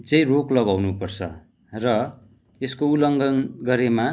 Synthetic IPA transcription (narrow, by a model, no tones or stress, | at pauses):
d͡zʌj̃roklʌɡawnupʌrt͡sʰʌ̰ | rʌ | eskoulʌŋɡʌnɡʌɾema